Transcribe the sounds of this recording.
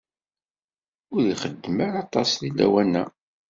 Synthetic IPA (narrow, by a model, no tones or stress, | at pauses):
ʊɾjiχəd̪ːməɾɑt̪ˤɑsðilːæ̰wænæ